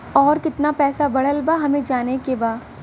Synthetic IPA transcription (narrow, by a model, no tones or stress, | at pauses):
ɔːɾkɪt̪napɛːsabɐɽ̤əlbaɦɐmẽd͡ʒaːnekebaː